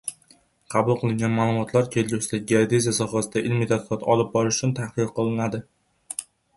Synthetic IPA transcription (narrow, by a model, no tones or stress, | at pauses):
qʰɑbʊlˠqʰɨlˠɪŋʲanmaːlˠʊmɒt̪ʰlaɾkʲʰeld͡ʒʲʊsɪd̪aɡʲiaɾd̪ezasɒχasɪd̪aʔɪlmit̪ʰat̪̚qɒt̪ʰɒlˠɪp̚bɒɾɪʃʊ̥t͡ʃʰʊnt̪ʰahqɨɾqʰɨlˠɪnad̪ɪ